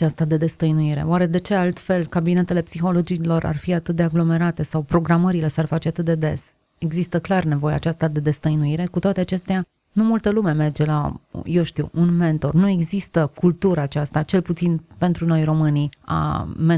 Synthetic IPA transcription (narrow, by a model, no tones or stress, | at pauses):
ast̪ad̪e̞d̪e̞st̪əjnuiɾe̞̰oaɾe̞d̪e̞t͡ʃe̞alt̪fe̞lkabine̞t̪e̞le̞psixo̞lo̞d͡ʒilo̞ɾʔa̰rfiat̪ɨt̪̚d̪e̞aɡlo̞me̞ɾat̪e̞sawpɾo̞ɡɾaməɾile̞searfat͡ʃeat̪ɨt̪̚d̪e̞d̪e̞̰s | e̞ɡzist̪əklarne̞vo̞jḛa̰ːt͡ʃast̪ad̪e̞d̪e̞st̪əjnuiɾe̞kut̪oat̪e̞at͡ʃe̞st̪ea | numult̪əlume̞me̞rd͡ʒe̞la̰je̞wʃt̪iwunme̞nt̪o̞rnue̞ɡzist̪əkult̪uɾəːt͡ʃast̪at͡ʃe̞lput̪sinpe̞nt̪ɾuno̞jro̞mɨnia̰m